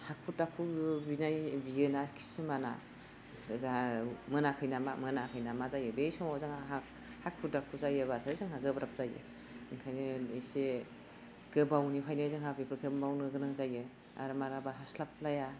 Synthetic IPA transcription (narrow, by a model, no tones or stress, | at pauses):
hak̚ʰutakʰubinajbiɯnakʰi̥sɯmana̰ | zamɯnakʰɯjnama̰mɯnakʰɯjnamazajɯbejsɔmazaŋaɦa | hakʰutakʰuzajɯβasazɯŋɦaɡɯbɾap̚zajɯ̰ | ŋkʰajnɯise | ɡ̥ɯbawnipʰajnɯzɯŋhabipʰɾkʰɯmbawnɯɡɯnɯŋzajɯ | a̰ɾmaɾabaɦaslap̚laja